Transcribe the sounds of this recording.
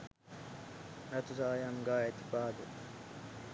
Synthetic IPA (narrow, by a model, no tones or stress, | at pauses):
ɾɐt̪usaːjaŋɡaːet̪ibaːd̪u